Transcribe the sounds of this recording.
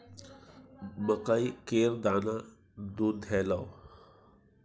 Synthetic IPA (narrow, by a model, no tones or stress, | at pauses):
məkaikeːɾd̪aːna | d̪uːd̪ʱɛːla